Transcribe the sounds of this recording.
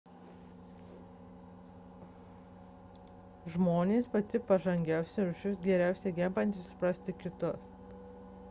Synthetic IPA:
ʒmoːnʲeːspɐt̪ʲɪpɐʒɐŋʲɡʲæˑʊsʲɛɾʊʃʲʊsɡʲɛɾʲæˑʊsʲɛɡʲɛmbɐnt̪ʲɪssʊ̥pɾɐsʲt̪ʲɪkʲɪt̪ʊs

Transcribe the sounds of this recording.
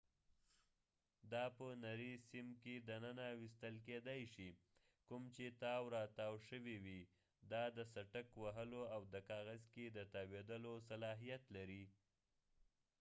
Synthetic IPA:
d̪ɑpənaɾisimked̪ənənawist̪əlked̪ajʃi | kumt͡ʃet̪ɑwɾɑt̪ɑwʃəwiwi | d̪ɑd̪əsaʈəkwaɦəloawd̪əkɑɣazked̪ət̪ɑwed̪əlosalɑɦijat̪laɾi

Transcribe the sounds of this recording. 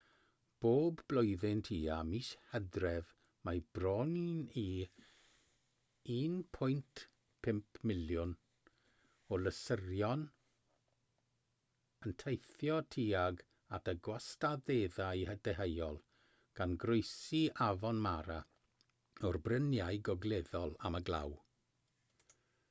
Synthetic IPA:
b̥oːbːlˠɔjðɪntʰiːamiʃhɛdrɛv | majb̥rɔnini | iːnpʰʊjntʰ | pʰɪmpʰmɪljʊn | ɔləsərjɔn | əntʰejθjɔtʰiaɡ | atʰəɡwastaðeðaihədɛɦejɔlˠ | ɡ̥anɡrojsiavɔnmaɾa | ɔrbrənjajɡɔɡleðɔlˠaməɡlˠa̰w

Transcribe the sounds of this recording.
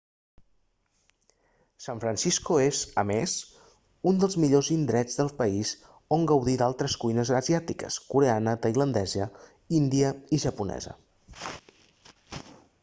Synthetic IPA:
saɱfɾənsiskuezə̰mez | und̪əlˠzmiʎozind̪ɾɛd͡zðəlˠpəiz | oŋɡəwðid̪alˠt̪ɾəskujnəzəzjat̪ikə̰skuɾeanət̪əjlənd̪ɛzə | ind̪iəiʒəpunɛ̰zə̰

